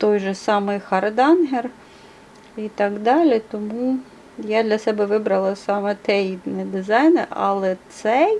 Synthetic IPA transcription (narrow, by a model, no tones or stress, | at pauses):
t̪ɔjʒɛsɑmɪjxɐrd̪ɑnɦer | it̪ɐɡd̪ɑlʲit̪ɔmu | jad̪lʲɐsɛbɛʋɪbɾɐlˠɐsɑmɛt̪ɛjid̪nɛd̪ɪzɑjneɑ̰lˠɛt̪sɛ